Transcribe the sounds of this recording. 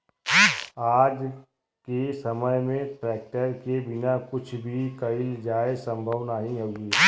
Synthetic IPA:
aːd͡ʒ | kesɐməjmẽʈɾɛːk̚ʈəɾkebɪnakʊt͡ʃʰbʱikɐɪld͡ʒaːesə̃mbʱəʋnaːɦĩɦoɡiː

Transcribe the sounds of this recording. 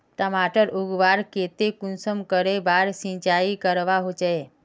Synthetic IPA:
ʈəmaʈəɾʔuɡʋaɾket̪ekunsəmkəɾebaɾsĩt͡ʃaikəɾʋaɦot͡ʃee

